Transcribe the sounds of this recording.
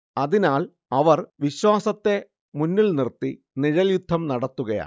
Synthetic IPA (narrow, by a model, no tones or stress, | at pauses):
ɐðinaːl | ɐʋɐrʋiɕwaːsɐt̪ːe̞ | munːilnirt̪ːi | niɻɐljud̪ʱːɐmnɐɽɐt̪ːuɣɐja̰ː